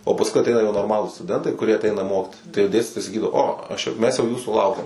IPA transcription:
oː pɐsˈkʊɪ ɐˈtʲɛɪnɐ jɛʊ noːrˈmɑːlˠuːs stʊˈdʲɛntɐɪ kʊˈrʲiɛ ɐˈtʲɛɪnɐ ˈmoːkʲɪtʲɪs tɐɪ jɛʊ ˈdʲeːsʲtʲɪtoːjɛɪ sɐˈkʲiːdɐʋoː ˈoː ˈɐʃ jɛ ˈmʲɛs jɛʊ ˈjuːsuː ˈlˠɐʊkʲɛm

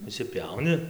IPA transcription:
ɪʃʲsʲɪˈpʲɛʊnʲɪ

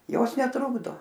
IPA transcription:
ˈjoːs nʲɛˈtrʊɡdoː

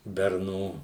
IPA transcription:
bʲɛrˈnuː

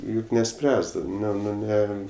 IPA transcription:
ˈjʊk nʲɛˈsʲpʲrʲæːzdɐʋɐɪ ˈnʲɛ ˈnʊ ˈnʲɛ

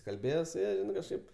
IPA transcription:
kɐlʲˈbʲeːjɛ sʊ ˈjɛ kɐʃˈkɐɪp

